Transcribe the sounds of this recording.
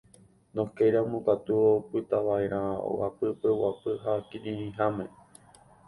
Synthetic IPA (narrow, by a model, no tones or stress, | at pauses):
nõkejɾãmũkat̪uopɨt̪aʋaeɾʔão̰wa̰pɨpewapɨɦakĩʔĩĩɦamẽ